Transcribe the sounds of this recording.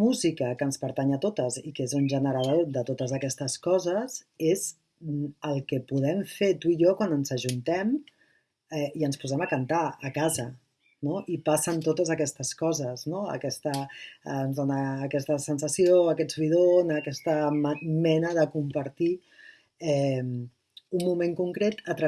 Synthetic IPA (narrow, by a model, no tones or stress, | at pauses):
muzikəkəːnspəɾt̪aɲət̪ot̪əzikezunʒənəɾəðod̪ət̪ot̪əzəkɛst̪əskɔzəz | ez | məlˠkɛpuðɛmfet̪uijɔkwanənzəʒunt̪ɛm | ɛiənspuzɛməkant̪aəkazə | noʔipasənt̪ot̪əzəkɛst̪əskɔzəznoə̰kɛst̪əː | nzðonəːkɛst̪əsənsəsijoəkɛd͡zβiðonəkɛst̪əmɛnəðəkumpəɾt̪i | ɛm | umːumẽŋkuŋkɾet̪ət̪ɾə